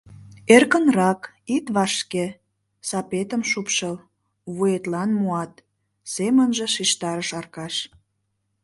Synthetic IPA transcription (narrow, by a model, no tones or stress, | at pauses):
erkə̆nrɑk | it̪βɑʃke | sɑpet̪əmʃupʃəl | βuet̪lɑnmuɑt̪ | semənʒĕʃiʃt̪ɑɾəʃɑrkɑʃ